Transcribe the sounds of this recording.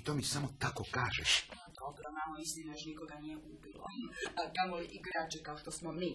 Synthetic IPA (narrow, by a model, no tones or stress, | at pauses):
it̪oːmisamot̪akokaːʒɛʃad̪obɾonamoist̪inajoʃnikoɡanijeʔubilˠo̰kamoliʔiɡɾaːt͡ʃɛkaoʃt̪osmomi